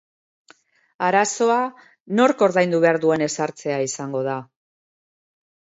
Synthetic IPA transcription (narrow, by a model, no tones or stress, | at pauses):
aɾaso̞a | no̞ɾko̞ɾðajnd̪uβe̞aɾðue̞ne̞saɾt͡se̞aisaŋɡo̞ð̞a